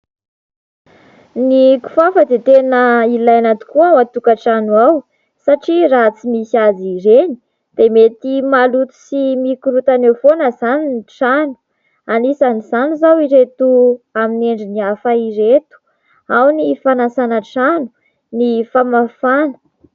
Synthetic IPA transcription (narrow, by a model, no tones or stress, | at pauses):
niku̥fafəd̪et̪enəilajanat̪u̥kuaat̪ukaʈ͡ʂanwaw | saʈ͡ʂirat͡simisad͡ziɾeni̥ | d̪̥emet̪imalut̪u̥simikuɾut̪anefonəzaninʈ͡ʂanu̥ | anisanizanizawiɾet̪uamineɳɖ͡ʐiniafaiɾet̪u̥ | awnifanasanəʈ͡ʂanu̥ | nifamafanə̥